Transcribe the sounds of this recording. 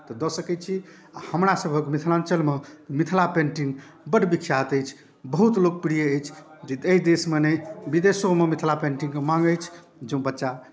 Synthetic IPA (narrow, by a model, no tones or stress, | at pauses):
t̪ɔd̪ɔsəkɛt͡ʃʰi | ahəmɾasəbʱəkmit̪ʰlãnt͡ʃəlmemit̪ʰlapẽɳʈiŋɡ | bəɽbikʰijat̪əjt͡ʃʰ | bəɦut̪lok̚piɽijeːjt͡ʃʰ | d͡ʒed̪əid̪esmenebid̪esomemit̪ʰlapẽɳʈĩŋmãŋɡəjt͡ʃʰ | d͡ʒẽũbətːʃa